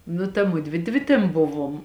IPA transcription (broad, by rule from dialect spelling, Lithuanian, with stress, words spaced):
nʊ tɐ ˈmʊdʲʋʲɪ ˈdʲʋʲɪ tʲeːn ˈbʊʋoːm